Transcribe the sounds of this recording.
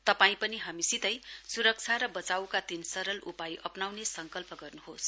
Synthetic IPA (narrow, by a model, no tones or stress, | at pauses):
t̪ʌpaĩpʌniɦamisit̪ʌjsuɾʌk̚t͡sʰaɾʌbʌt͡sawkat̪insʌɾʌlʔupajʔʌpnawnesʌŋkʌlpʌɡʌrnuɦos